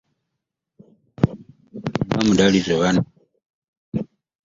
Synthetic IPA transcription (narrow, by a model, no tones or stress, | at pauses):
mamudalizeβana